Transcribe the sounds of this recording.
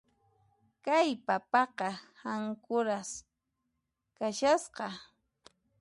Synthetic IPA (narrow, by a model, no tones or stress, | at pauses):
kajpapɑqɑhaŋkʊɾas | kaʃasqɑ